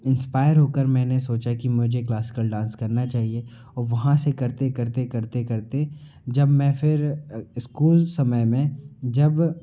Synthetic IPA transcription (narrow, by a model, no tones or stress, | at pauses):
ɪ̃nspaːɪəɾɦoːkəɾmɛ̃ːnesoːt͡ʃakimʊd͡ʒʱeklaːsɪ̥kəlɖãːnskɐɾnat͡ʃaːɦie | ɔːɾʋɐɦãsekɐɾt̪ekɐɾt̪ekɐɾt̪ekɐɾt̪e | d͡ʒɐbmɛ̃fʰɪɾɪskuːlsɐməjmẽd͡ʒɐb